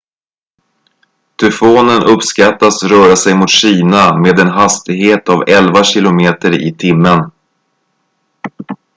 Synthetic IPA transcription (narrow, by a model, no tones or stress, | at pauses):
t̪ʰɵfoːnənɵpskat̪ːasɾœːɾasɛjmʊt̪ɕiːnameːd̪ɛnɦast̪ɪɡɦeːt̪avɛlvaɕɪlʊmeːt̪əɾɪ̰t̪ʰɪmːən